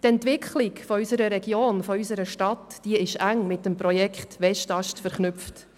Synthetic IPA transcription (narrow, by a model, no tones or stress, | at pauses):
tɛntʋɪkχlɪkfɔysəɾəɾɛɡjoːnfɔysəɾəʃtɑtd̥iəɪʃæŋmɪt̚dəmpɾɔjɛkχtʋɛʃtɑʃtfɛɾχnʉpft